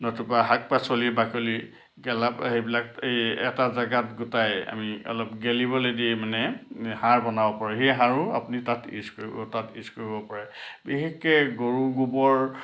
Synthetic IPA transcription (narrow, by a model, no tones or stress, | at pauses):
nɔtupaɦak̚pasolibakoli | ɡɛlaphejbilak̚ejɛ̰tazaɡatɡʊtaja̰miɔ̰lɔpɡelibɔlodiemanɛhaɹbɔnabɔpɔɹaɦejɦaɹua̰punitatḭskoɹibɔtatiskoɹibɔpɔɹabiɦekːɛɡoɹuɡubɔɹ